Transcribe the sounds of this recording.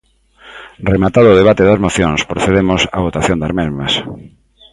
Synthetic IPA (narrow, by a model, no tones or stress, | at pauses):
remat̪aðʊːðeβat̪eðɐzmoθjõŋspɾoθeðemosa̰βot̪aθjõnd̪aɾmezmɐs